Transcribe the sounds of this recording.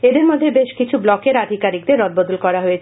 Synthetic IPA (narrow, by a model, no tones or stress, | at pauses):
ed̪eɾmod̪ʱːebeʃkit͡ɕʰublɔkeɾad̪ʱikaɾik̚d̪eɾːɔd̪̚bod̪ulkɔɾaɦojet͡ɕʰ